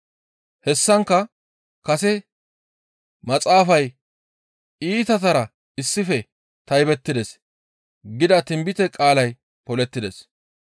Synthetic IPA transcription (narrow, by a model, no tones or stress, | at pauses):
hɛsːɐŋkːɐ | kɐsɛ | mɐt͡sʼaːfɐj | iːt̪ɐt̪̬ɐɾɐ | ɪsːɪfɛ | t̪ɐjbɛt̪ːɪd̪ɛs | ɡɪd̪ɐt̪ɪmbɪt̪ɛkʼaːlɐj | pɔlɛt̪ːɪd̪ɛs